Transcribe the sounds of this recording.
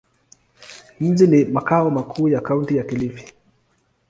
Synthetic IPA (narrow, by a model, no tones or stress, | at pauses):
m̩ʄinimakaɔmakʰuːjakauntijakilifi̥